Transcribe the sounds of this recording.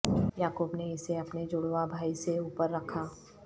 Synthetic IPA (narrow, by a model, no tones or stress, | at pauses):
jaːkoːbneɪseɐpned͡ʒʊːɽʋabʱaːiseuːpəɾːɐkʰaː